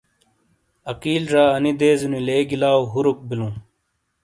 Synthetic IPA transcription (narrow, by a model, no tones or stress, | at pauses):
ɐkiːlɾaːɐnid̪eːzunileːɡilaːuɦuɾuk̚bilũː